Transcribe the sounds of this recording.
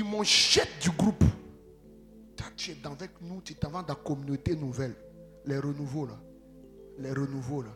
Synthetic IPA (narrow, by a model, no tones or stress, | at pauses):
imɔ̃ʃɛtd̪yɡɾup | t̪at̪yɛd̪ãvɛknũt̪yɛt̪ãvãd̪akɔmynot̪enuvɛl | lɛɾənuvola | lɛɾənuvola